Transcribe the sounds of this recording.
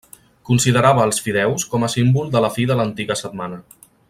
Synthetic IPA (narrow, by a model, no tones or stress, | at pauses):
kunsiðəɾaβəːlˠsfiðɛwskɔməsimbulˠd̪ələfiðələnt̪iɣəsət̪̚manə